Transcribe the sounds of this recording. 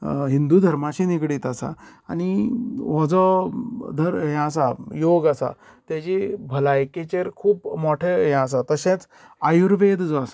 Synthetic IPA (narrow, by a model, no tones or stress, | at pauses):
ɦind̪ud̪ʱəɾmat͡ɕinikɽiːt̪asa̰aniʋɔd͡zɔd̪ʱəɾjãs̬ajoɡasa̰ | t̪jat͡ɕibʱəlajket͡ɕeɾkʰuːpmɔʈʰejãs̬at̪əɕẽt͡s | ajuɾʋed̪d͡zɔasa